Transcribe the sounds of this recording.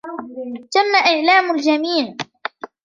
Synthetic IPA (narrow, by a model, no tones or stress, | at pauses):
t̪amːaʔɪʕlaːmʊld͡ʒamiːʕ